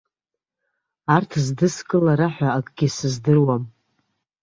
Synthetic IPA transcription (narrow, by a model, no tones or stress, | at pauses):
artʰzdɨskʼɨlaɾaħʷᶣaːkʼɡʲisɨzdɨrwam